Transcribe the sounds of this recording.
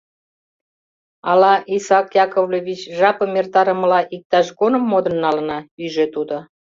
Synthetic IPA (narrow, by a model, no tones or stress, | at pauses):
ɑlɑʔisɑkjɑkovlʲeβʲit͡ɕʒɑpəmert̪ɑɾə̆məlɑʔik̚t̪ɑʃɡonəmːod̪ə̆nːɑlənɑyʒet̪ud̪o